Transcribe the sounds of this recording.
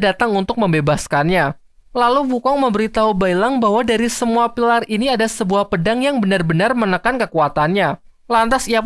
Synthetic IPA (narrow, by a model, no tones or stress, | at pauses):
dat̪aŋunt̪ʊk̚məmbebaskanɲa | laluwukɔŋməmbəɾit̪aubailaŋbaɦwadaɾisəmuapilariniadasəbuahpədaŋjaŋbənarbənarmənəkankəkuat̪anɲa | lant̪asia